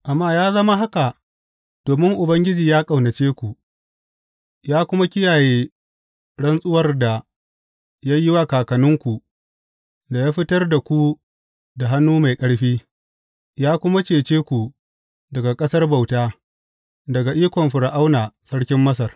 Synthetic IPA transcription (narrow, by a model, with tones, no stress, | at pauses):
ʔa˨mːaː˦jaː˦zɐ˦ma˦ɦa˦ka˨ | d̥oː˨mɪ˦ŋʔʊ˨bɐ˦ŋɡʲɪ˦d͡ʒiː˨jaː˦kʼa˨wnɐ˨t͡ʃeː˦kʷu˨ | jaː˦kʷʊ˦ma˦kʲɪ˦jaː˨jeː˦ | ɽɐ˦nsʼʊ˦wɐ˦rda˨ | ja˦jɪ˦wa˦kaː˨kɐ˨nʊ˦ŋkʷu˨ | da˨jaː˦ɸɪ˦tɐ˦rda˨kʷu˦ | da˨ɦa˦nːuː˦ma˨jkʼɐ˦ɽɸiː˦ | jaː˦kʷʊ˦ma˦t͡ʃeː˨t͡ʃeː˦kʷu˨ | dɐ˨ɡa˨kʼɐ˦sɐ˦rba˨wtaː˦ | dɐ˨ɡa˨ʔiː˦kʷɔ˨mɸɪ˨ɽa˨ʔa˦wnaː˨sɐ˦ɽkʲɪ˦mːɐ˦s̬ɐ˨r